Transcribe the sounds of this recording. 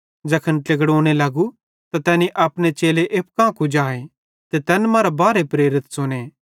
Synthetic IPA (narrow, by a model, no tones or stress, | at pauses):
d͡ʒɐkʰənʈeɡɽoːɽ̃elɐɡu | t̪at̪ɛːniʔɐpnet͡ʃeːleʔep̚kãːkud͡ʒaːe | t̪et̪ɛːnmãːɾabaːɾepɾeːɾɪt̪sʊneː